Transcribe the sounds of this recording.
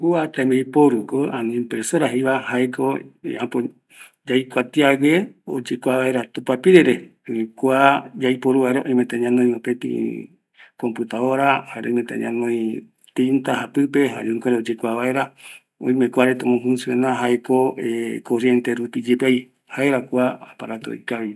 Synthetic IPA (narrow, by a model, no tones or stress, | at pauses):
kuat̪ambejpoɾukoʔanĩmpɾesoɾaɦiβahaeko̰apo | d͡ʒajkʷat̪iaɡeo̰d͡ʒekʷaβaeɾat̪upapiɾeɾekʷad͡ʒajpoɾuβaeɾaʔõĩmẽt̪eɲãnõj̃opet̪ḭ̃ | kompɨt̪aoɾahaeɾaõĩmẽt̪ḛ̃ɲã̰nõj̃ | t̪int̪aɦapɨpeɦa̰uŋkʷaɾeod͡ʒekʷaβaeɾa | õ̰j̃mẽkʷaɾet̪omõɦunsuenãɦaekoekoɾjent̪eɾupid͡ʒepej | haeɾakʷaapaɾat̪oo̰ikaβi